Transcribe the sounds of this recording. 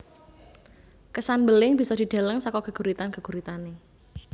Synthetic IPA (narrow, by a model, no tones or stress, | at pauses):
kəsanbəlɪŋb̥i̤sɔdi̤d̥a̤ləŋsɔkɔkəɡ̥uɾit̪ankəɡ̥uɾit̪ane